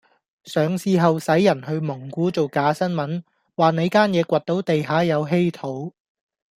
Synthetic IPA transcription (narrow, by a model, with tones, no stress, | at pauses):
sœː˨ŋsiː˧ɦɐ˨wsɐ˨˥jːɐ˨˩nhɵ˧ɥmʊ˨˩ŋkʷuː˨˥t͡so˨wkaː˨˥sɐ˥nmɐ˨˥n | waː˨ne˨˧kaː˥njɛː˨˧kʷɐ˨t̚t̪o˨˥wt̪e˨jɦaː˨˥jɐ˨˧wɦe˥jt̪ʰo˨˥w